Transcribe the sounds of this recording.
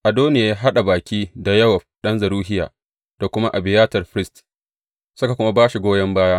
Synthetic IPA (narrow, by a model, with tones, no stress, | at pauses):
ʔa˨doː˦nɪ˦ja˨ja˦ɦa˦ɗa˨baː˨kʲiː˦da˨jɐ˦wa˨ | ɗɐ˦nzɐ˨ɾuː˦ɦɪ˦ja̰ː˨ | d̥a˨kʷʊ˦ma˦ʔa˨bɪ˨jaː˦tɐ˨rɸɾɪ˦st | sʊ˦ka˨kʷʊ˦ma˦baː˦ʃi˨ɡʷoː˦jɐ˦mbaː˦jaː˦